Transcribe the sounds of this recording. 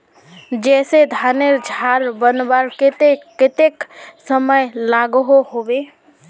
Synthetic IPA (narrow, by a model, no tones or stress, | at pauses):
d͡ʒɛsed̪ʱaneɾd͡ʒʱaɾbənbaɾket̪eket̪eksəməjlaɡɦoɦobe